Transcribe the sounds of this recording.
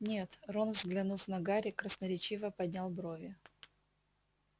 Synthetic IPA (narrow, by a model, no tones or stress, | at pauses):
nʲet̪ronvzɡlʲɪnufnɐɡaɾʲɪkɾəsnəɾʲɪt͡ɕivəpɐd̪ʲnʲalˠbɾovʲɪ